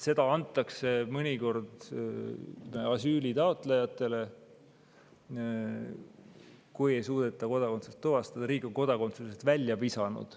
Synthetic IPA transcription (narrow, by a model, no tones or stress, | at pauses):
se̞d̪̥ɑɑnt̪ːˑɑkse̞mɤnʲiko̞rd̪̥ | ɑsyːlʲit̪ɑot̪ˑlejɑt̪ːˑe̞le̞ | kuje̞jsuːd̪̥e̞t̪ːˑɑko̞d̪̥ɑko̞nt̪set̪ːuvɑst̪ɑd̪̥ɑɾiːɡo̞ŋko̞d̪ɑko̞nt̪susest̪vælʲːjɑpisɑnṵd̪̥